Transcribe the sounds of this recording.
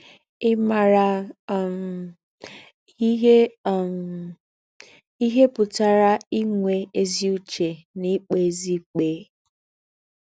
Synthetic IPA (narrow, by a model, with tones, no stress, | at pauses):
ɪ˦ma˨ɾa˨˦ | ɦ | i˦ɦe˦pʊ˨ta˨ɾa˦i˦ŋʷe˨e˦zi˦u˦t͡ʃe˨ni˦k͡pe˨˦zi˦k͡pe˨˦